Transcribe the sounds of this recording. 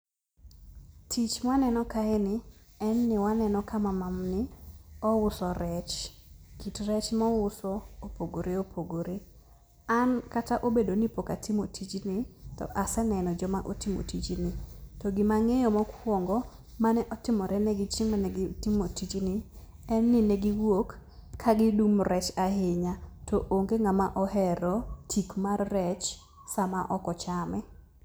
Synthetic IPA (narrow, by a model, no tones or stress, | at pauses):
tʰit͡ʃmanɛnɔkaɛnɪɛnːɪwanɛnɔkamamamnɪɔwʊsɔɾɛt͡ʃkitɾɛt͡ʃmɔwʊsɔopoɡoɾeopʰoɡoɾe | ankataʔobedonipokatʰimotʰit͡ʃnɪtɔ̰ʔasɛnɛnɔd͡ʒɔmaʔotimo̰tit͡ʃinɪtɔɡɪmaŋɛjɔmɔkwoŋɡɔ | manɛʔɔtɪmɔɾʔɛnɛɡɪt͡ʃɪŋmanɛɡɪtimotit͡ʃnɪ | ɛnːɪnɛɡɪwokʰː | aɡɪdumɾɛt͡ʃahɪɲatʰɔʔoŋɡeŋamaʔɔɦɛɾɔtʰikmarːɛt͡ʃ | samaʔɔkɔt͡ʃamɛ